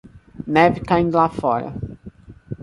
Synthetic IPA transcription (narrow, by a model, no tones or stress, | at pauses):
nɛvɪkaĩnd̪ʊlafɔɾɐ̰